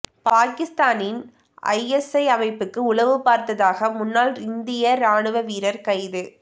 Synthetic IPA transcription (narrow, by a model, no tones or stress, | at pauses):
paːkɪst̪aːnɪn | ʔɐ̰ɪɛsɐɪɐmɐɪpːɯkːɯʊɭɐʋɯpaːɾt̪ɐðaːɣɐmʊnːaːlɪnd̪ɪjɐɾaːɳɯʋɐʋiːɾɐɾkɐɪðɯ